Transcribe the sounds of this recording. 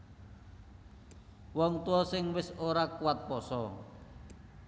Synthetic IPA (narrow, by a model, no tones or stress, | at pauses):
wɔŋt̪uɔsɪŋwɪsoɾakuwat̪̚pɔsɔ